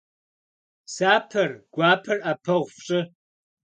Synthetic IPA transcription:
saːpʰɐrɡ̥ʷaːpʰɐrapʰɐʁʷfɕʼɨ

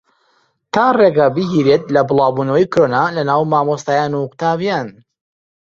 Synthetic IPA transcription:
t̪aːreɡɐbɨɦiːɾet̪lɐbɨlˠɑːbuːnɐwɐjkɾonalɐnaːwmaːmost̪aːjaːnuqʊ̥t̪aːbjaːn

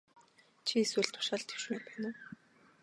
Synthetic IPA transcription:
t͡ɕʰieswɘ̆ɮt̪ʰʊ̥ʃaːɮt̪ʰe̥wʃmeːpæːnʊ̆ː

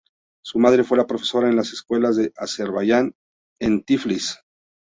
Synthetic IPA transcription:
sumað̞ɾe̞fwe̞lapɾo̞fe̞̥so̞ɾaenlase̞skwe̞lazðe̞ʔase̞ɾβaʝan | ent̪iflis

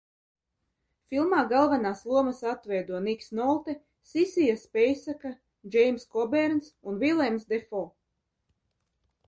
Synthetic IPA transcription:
filˠmaːɡalˠvanaːslˠuɔmasat̪vɛjd̪uɔniksnɔlˠt̪ɛ | sisijaspʲɛjsaka | d͡ʒɛjmskɔbɛɾnsunvilˠɛmsd̪ɛfɔ

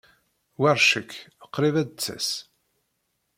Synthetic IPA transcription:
wæɾˤʃəkːəqːɾivæd̪t͡sːæ̰s

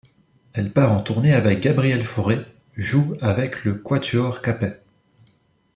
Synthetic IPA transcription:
ɛlpaʁɑ̃t̪uʁneavɛk̚ɡabʁiɛlfɔʁe | ʒuavɛkləkwat̪yɔʁkapɛ

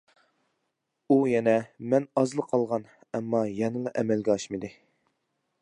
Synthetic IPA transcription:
ujɛnɛmɛnɑzlˠəqʰɑlˠʁɑn | ɛmːɑjɛnɨlˠɑʔɛmɛlɡʲɛɑʃmɨd̪ɨ

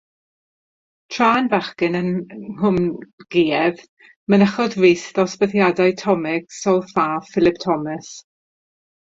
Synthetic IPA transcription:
tʰr̥aːnvaχkɪnənhʊmɡ̥iːɛv | mənəχɔdvijsðɔsbəθjadajtʰɔmɪɡ̥sɔlˠfaːfɪlˠɪp̚tʰɔməs

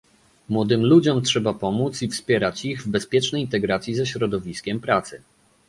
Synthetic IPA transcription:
mwɔd̪ɘmlud͡ʑɔmtʂɛbapɔmut̪sifspʲjɛɾat͡ɕiɣvbɛspʲjɛt͡ʂnɛjint̪ɛɡɾat̪sʲjizɛɕɾɔd̪ɔvʲiskʲɛmpɾat̪sɘ

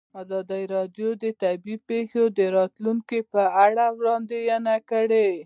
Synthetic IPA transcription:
ɑzɑd̪aiɾɑdjod̪ət̪abipexod̪əɾɑt̪luŋkepəaɽawɽɑnd̪ejanakəɽe

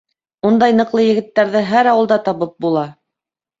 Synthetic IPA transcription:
und̪ɑjnɤ̆qlˠɤjɘ̆ɡɘ̆t̪ːæɾðɘɦæɾɑwɤ̆lˠd̪ɑt̪ɑβɤp̚bulˠɑ

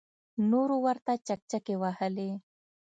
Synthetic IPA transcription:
noɾowaɾt̪at͡ʃak̚t͡ʃakewahəle

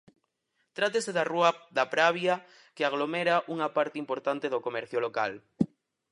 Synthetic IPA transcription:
t̪ɾat̪eseðaruaðapɾaβja | keaɣ̞lomeɾaʔuŋapaɾt̪eimpoɾt̪ant̪eðokomɛɾθjoloka̰l

